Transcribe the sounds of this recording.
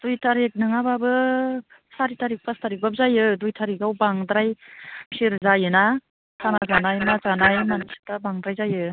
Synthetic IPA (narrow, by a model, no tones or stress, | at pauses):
d̥ujtʰaɾek̚nɯŋababɯ | saɾitaɾik̚pʰastʰaɾik̚bap̚zajɯdujtʰaɾikawbaŋdɾajmsiɾzajɯna | tʰanazanajmazanajmanisi̥tabaŋdɾajzajɯ